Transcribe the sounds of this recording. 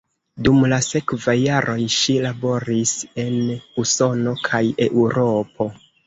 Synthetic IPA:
dumlase̞kvajːaɾʔo̞jʃilabo̞ɾise̞nuso̞no̞kʰaje̞ʔuɾo̞po̞

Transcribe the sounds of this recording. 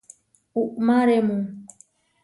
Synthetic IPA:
uʔmaɾemũ

